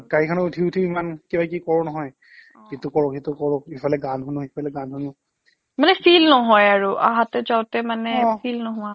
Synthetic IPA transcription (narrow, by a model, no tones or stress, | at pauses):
kaɹikʰanɔutʰiutʰiimankibak̬ikɔɹɔnɔɦɔj | kitukɔɹɔɦitukɔɹɔkifʰalɛɡanɦunʊhipʰalɛɡanɦunʊ | manɛsilnɔɦɔjaɹuʔa̰ɦatɛzawtɛmanɛsilnɔɦʊwa